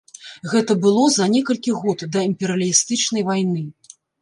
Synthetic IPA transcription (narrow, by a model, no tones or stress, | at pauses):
ɣɛt̪ɐbɨlˠɔzɐnʲɛkɐlʲkʲiɣɔt̪d̪ɐimpʲɛɾɐlʲist̪ɨt͡ʂnɐjvajnɨ